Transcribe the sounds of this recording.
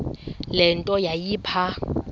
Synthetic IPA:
lɪn̩tʼɔjajiːpʰa

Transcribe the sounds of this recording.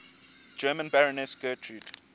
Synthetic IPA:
d͡ʒɜːmə̃nbaɹɔnɛsɡ̥ɜːtʰɹud

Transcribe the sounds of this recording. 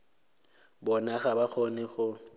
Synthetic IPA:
bɔnaχabak͡xʰonɪɣʊ

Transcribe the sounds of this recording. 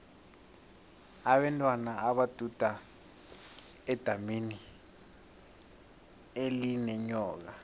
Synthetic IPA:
aɓɛntʼwanaaɓad̥ʱud̥ʱa | ɛd̥ʱamini | elinɛɲɔːk̬a

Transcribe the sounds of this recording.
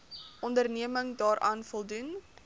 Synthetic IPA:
ʔɔndərniəməŋdɑːɾʔɑːnfɔlˠdun

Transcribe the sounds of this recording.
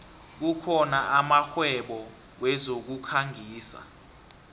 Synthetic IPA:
k̬ukʰɔnaʔamaxwɛɓɔ | wɛzok̬ukʰaŋʱiːsa̰

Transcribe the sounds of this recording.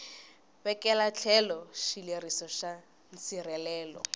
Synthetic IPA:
bɛkʼɛlat͡ɬʰɛlɔʃilerisɔʃa | n̩t͡sirɛlɛːlɔ̰

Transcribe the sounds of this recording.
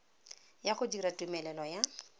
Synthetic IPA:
jaχʊdiɾatʼumɛlɛlɔja

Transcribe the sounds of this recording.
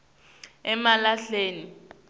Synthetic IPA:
ɛmalaɬeːni

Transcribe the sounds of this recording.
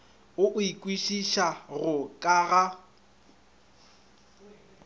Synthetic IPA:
ʊʔʊikʼwiʃiʃaɣʊkʼaɣa

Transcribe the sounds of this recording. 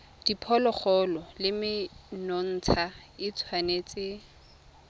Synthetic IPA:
d̥ipʰɔlɔχʰɔlɔlɪmɪnɔn̩ːt͡sʰaɪt͡sʰwanet͡sʼɪ

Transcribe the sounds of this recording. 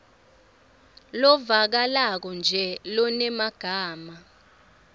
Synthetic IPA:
lɔvak̬alak̬ɔnd͡ʒʱɛlɔnɛmaɡ̥ʱaːma

